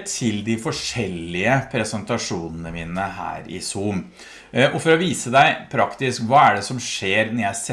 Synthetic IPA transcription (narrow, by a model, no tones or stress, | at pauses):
t̪ʰɪld̪ɪfɔʂɛlːɪəpʰɾɛsənt̪ɑʂuːnənəmiːnəɦæ̰ːɾɪ̰suːm | ʔɔfɔɾɔʋiːsəd̪æɪpʰɾɑkt̪ɪskʋɑːæɖɛsɔmʂeːɾnɔɾjæɪsɛ